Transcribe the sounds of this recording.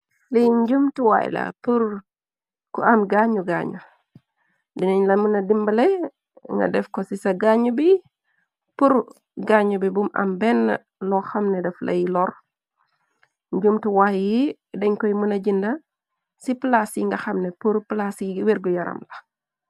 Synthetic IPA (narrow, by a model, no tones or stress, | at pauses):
lijɲɟumtuwa̰j̰lɐ̰puɾ | kuɐmɡaɲuɡa̰ɲu | diniɲlɐmunɐdimbɐlɛ | ŋɡɐ̰dɛfkɔsisɐɡaɲubi | puɾ | ɡaɲubibumɐ̰mbɛnː | lɔxɐmnɛdɛflʔɐ̰jilɔr | ɲɟumtuwajji | dɛɲkɔjmunɐɟindɐ | siplasjiŋɡɐxɐmnɛpuɾplasweɾɡujɐɾɐ̰mlɐ